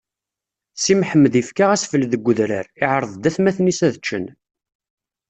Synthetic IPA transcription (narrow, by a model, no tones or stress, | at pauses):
simħəmːðifkaʁæsfəlðəɡʷːəðɾəɾɪʕɾˤəðˤd̪æθmæθnisæðət͡ʃːən